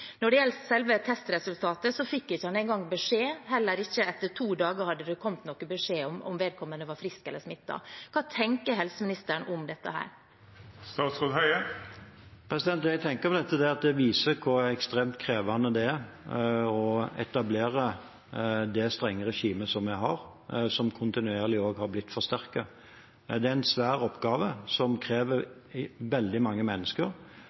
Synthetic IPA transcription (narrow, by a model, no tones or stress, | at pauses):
nɔɖɛjɛlt̪sɛlʋət̪ʰɛst̪ɾɛsʉlt̪ʰɑːt̪əsɔfɪkːɪçːəhɑnɛɪnɡɑŋːbəʂeːhɛlːəɾɪçːəɛt̪ːəʈʰuːd̪ɑːɡəɾhɑd̪ːəd̪ɛkʰɔmt̪nɔkːəbəʂeːɔmɔ̰mʋeːd̪̚kʰɔmːənəʋɑɾfɾɪskɛlːəʂmɪt̪ːɑ̰kʰɑːt̪ʰɛŋkəɾɦɛlsəmɪnɪst̪əɳʔɔmd̪ɛt̪ːə̰hæ̰ːɾ | st̪ɑːt̪sʁoːd̪hœʏə | pʰɾɛsɪd̪ɛnt̪jæɡ̚t̪ʰɛŋkəɾpʰɔd̪ɛt̪ːəd̪ɛɑt̪̚d̪ɛʋiːsəkʰʊɾɛkst̪ɾeːmt̪kʰɾeːʋɑnəd̪ɛæɾ | ɔɛ̰t̪ɑbleːɾə | d̪ɛst̪ɾɛŋːəɾɛʃiːməsɔmæɪɦɑɾ | sɔmkʰʊnt̪ɪnʉeːɾlɪoːɡhɑɾblɪt̪ːfɔɾst̪æɾkə | d̪ɛæɛnsʋæːɾɔpɡɑːʋəsɔmkʰɾeːʋəɾʋɛld̪ɪmɑŋːəmɛnːəskəɾ